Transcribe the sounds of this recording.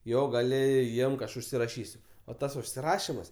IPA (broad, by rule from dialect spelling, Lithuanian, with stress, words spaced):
ˈjoː ɡɐˈlʲɪ ˈɪmk ˈɐʃ ʊʃʲsʲɪrɐˈʃʲiːsʲʊ oː ˈtɐs ʊʃʲsʲɪˈrɑːʃʲɪmɐs